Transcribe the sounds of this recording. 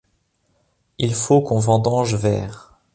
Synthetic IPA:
ilfokɔ̃vɑ̃d̪ɑ̃ʒvɛːʁ

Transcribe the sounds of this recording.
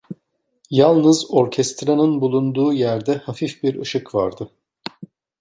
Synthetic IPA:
jalˠnɯzo̞ɾcʰɛst̪ɾanɯnbulˠund̪uːjæɾd̪ɛhafifbiɾɯʃɯkva̰ɾd̪ɯ

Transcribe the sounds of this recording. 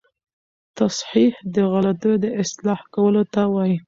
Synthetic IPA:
t̪asħihd̪əɣɑlat̪ojd̪əʔɪslɑhkawəlot̪awɑji

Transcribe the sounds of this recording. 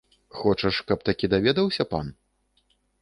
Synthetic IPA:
xɔt͡ʂɐʂkɐp̚t̪akʲid̪avʲɛd̪ɐwsʲɐpa̰n

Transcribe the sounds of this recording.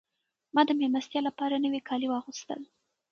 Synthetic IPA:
mɑd̪əmemast̪jɑlapɑɾanəwekʰɑliwɑxust̪ə̰l

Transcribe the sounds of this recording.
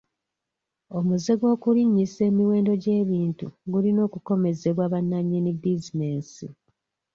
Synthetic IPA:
o̞muzeɡo̞ːkuliɲːise̞ːmiwe̞ːndo̞ɟe̞ːβiːntuɡulino̞ːkuko̞me̞ze̞βwaːβanːaɲːinibizine̞ːsḭ

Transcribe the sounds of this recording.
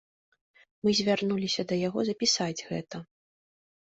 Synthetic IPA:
mɨzʲvʲarnulʲisʲɐd̪ɐjaɣɔzɐpʲisad͡zʲɣɛ̰t̪ɐ

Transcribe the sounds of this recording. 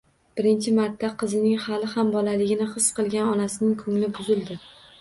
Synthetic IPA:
b̥ɪɾɪnt͡ʃʰɪmaɾt̪ʰːaqʰɨzɪnɪŋhalɪhambɒlalɪɡʲɪnɪχɨsqɨlˠɡʲanɒnasɪnɪŋkʰɵŋlɪbʊzɪld̪ɪ

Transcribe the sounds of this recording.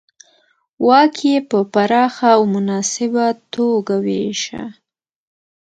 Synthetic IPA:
wʔɑkʰjepəpaɾɑxawmʊnɑsɪbat̪oɡaweʃa̰

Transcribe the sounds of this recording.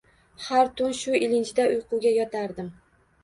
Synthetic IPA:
haɾt̪ʰʊnʃʊɪlɪnt͡ʃʰɪd̪aʔʊjqʰʊwɡʲajɒt̪ʰaɾd̪ɪm

